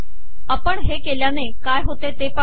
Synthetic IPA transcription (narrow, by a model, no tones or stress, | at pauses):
əpəɳɦekeljãnekaːjɦot̪et̪epə